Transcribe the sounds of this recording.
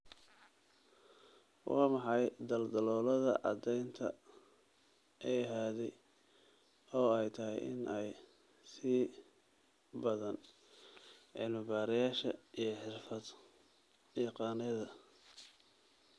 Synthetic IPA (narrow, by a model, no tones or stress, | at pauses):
wɑːmɑħɑjd̪ɐld̪ɐlɔːlɐðɐ̰ʔɑd̪ɛjnt̪ʰɐ̰ | ʔɛjɐɦaːðɛj | ɔːɛjt̪ʰɐɦɛ̰jʔɪ̰nʔɛj | siː | bɐðɐn | ʕɪlmɪbaːɾɪjaːʃɐ̰ijɞħɪrfɐd̪ | iqɑːnɪðɐ